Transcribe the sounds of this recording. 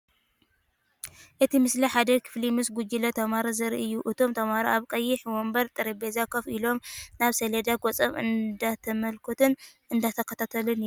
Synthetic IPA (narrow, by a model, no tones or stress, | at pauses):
ʔɨt̪ʰimɨsliħad̪ɐkʰɨ̥flimɨsɡud͡ʒilɐt̪ʰɐmaɾɐzɨɾʔɨjːuʔɨt̪ʰo̞mt̪ʰɐmaɾaʔaβkʼɐjːɪħwombɐɾt̪ʼɨɾibezakʰɐfilo̞mnaβseled̪aɡʼot͡sʼɐmɨ̰nd̪at̪ʰɐmɐlkʰot̪ʰɨn | ɨnd̪at̪ʰɐkʰːɐt̪ʰat̪ʰɐlɨn